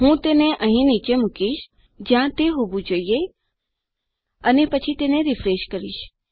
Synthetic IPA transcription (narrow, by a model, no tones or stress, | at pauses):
ɦũːt̪eːneʔə̃ɦĩniːt͡ʃemʊkiʃ | d͡ʒãt̪eɦobud͡ʒoie | ənepət͡ʃʰit̪eːneɾɪfɾeːʃkəɾḭʃ